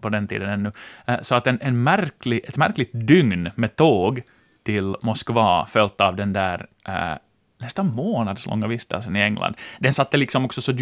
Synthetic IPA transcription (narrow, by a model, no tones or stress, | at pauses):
pɔd̪ɛnt̪ʰḭːd̪ənɛnːɵsɔat̪ɛnʔɛnmæɾklɪʔɛt̪mæɾklɪɡ̚t̪̚d̪ʏŋnmɛt̪ʰoːɡ | t̪ʰɪlmɔskvɑːfœlt̪ɑʋd̪ɛnd̪æːɾ̰ | nɛst̪anmoːnɑd̪slʔɔ̰ŋːavɪst̪ə̰lsənɪɛŋlʔa̰nd̪d̪ɛnsat̪ːəlɪksɔmɔksɔsɔd̪